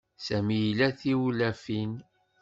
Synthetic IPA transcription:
sæmijlæθiwlæfin

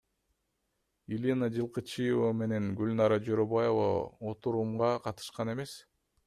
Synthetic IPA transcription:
ilʲinad͡ʒɯlˠqɯt͡ʃɯjevame̞ne̞ŋɡylʲnɑɾɑd͡ʒoɾobajova̰ot̪uɾumʁɑqʰɑt̪ɯ̥ʃqɑne̞me̞s

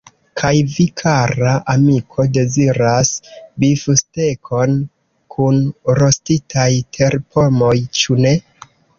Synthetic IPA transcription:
kʰajvikʰaɾaʔamikʰo̞de̞ziɾasbifuste̞kʰo̞n | kʰunɾo̞stitʰajtʰe̞ɾpʰo̞mo̞jt͡ʃune̞

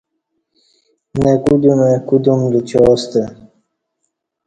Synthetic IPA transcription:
nekud̪umekud̪umd̪ut͡ɕɔːst̪e

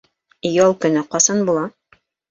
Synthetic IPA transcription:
jɑlˠkɵ̆nɘqɑsɑnbulˠɑ

